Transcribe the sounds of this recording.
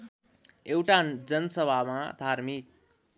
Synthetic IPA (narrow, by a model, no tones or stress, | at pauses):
ewʈad͡zʌnʌsʌbʱamad̪ʱaɾmik̚